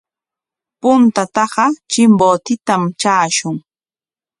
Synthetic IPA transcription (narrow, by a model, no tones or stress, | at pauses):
pʊnt̪at̪ɑɢɑt͡ʃɪmboːt̪ɪt̪amt͡ʃaːʃʊŋ